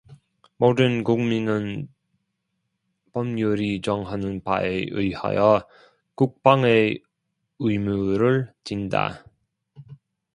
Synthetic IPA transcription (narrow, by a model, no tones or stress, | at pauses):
modɯnkuŋminɯn | pʌmɲuɾit͡ɕʌŋɦanɯnpa̰eʔɯjha̰jʌ | kuk̚p͈aŋe | ɯjmuɾɯɭt͡ɕinda̰